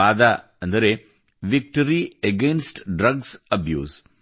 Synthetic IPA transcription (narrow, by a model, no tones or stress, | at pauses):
aːd̪a | ɐnd̪ɐɾe | ʋik̚ʈɐɾieɡensʈɖɾɐɡsɐbjṵːz